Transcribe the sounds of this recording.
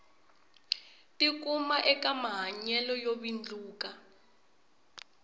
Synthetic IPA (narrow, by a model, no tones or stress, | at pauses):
tʼik̬ʼumaʔɛkamaɦaɲɛlɔjoβind͡ɮuːka